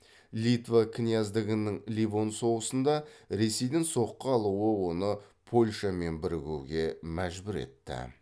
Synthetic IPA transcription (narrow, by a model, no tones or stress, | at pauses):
lʲit̪vakʲʰɪnijɑzd̪ɪɡʲɪnɪŋlʲivo̞nso̞ʁəsənd̪ɑɾe̞se̞jd̪ɪŋso̞qːəɑlˠuəwo̞nəpʰo̞lʲʃɑme̞nbɪɾɪɡʲuwɡʲe̞mæʒbɪɾe̞̰t̪ːɪ̰